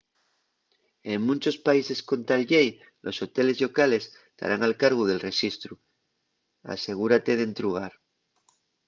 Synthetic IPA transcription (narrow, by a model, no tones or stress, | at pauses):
e̞ŋmũnt͡ʃo̞spaise̞sko̞nt̪alʝej | lʔo̞so̞t̪e̞le̞zlo̞kale̞s | t̪a̰ɾʔaŋalkaɾɣ̞uð̞e̞lre̞sist̪ɾu | a̰se̞ɣ̞uɾat̪e̞ð̞e̞nt̪ɾuɣ̞aɾ